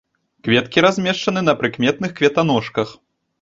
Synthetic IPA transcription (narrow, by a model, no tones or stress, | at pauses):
kvʲɛt̪kʲiɾazʲmʲɛʂt͡ʂɐnɨnɐpɾɨkmʲɛt̪̚nɨxkvʲɛt̪anɔʂkɐx